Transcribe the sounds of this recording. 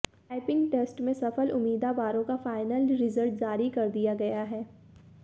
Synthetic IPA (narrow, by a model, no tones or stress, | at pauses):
aːɪpɪ̃ŋɡʈeːsʈmẽsɐfəlʊmːiːd̪abaːɾõkafaːɪnəlɾɪzəɾʈd͡ʒaːɾikɐɾd̪ijaɡɐjaɦɛː